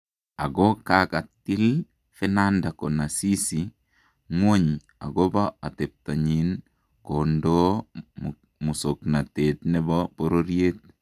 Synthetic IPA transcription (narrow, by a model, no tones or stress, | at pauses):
aɡɔkakatɪl | fɛnandakonasisi | ŋwoɲ | a̰ɡobaatep̚taɲin | kondo | musoknatetnɛbɔpoɾoɾjet̚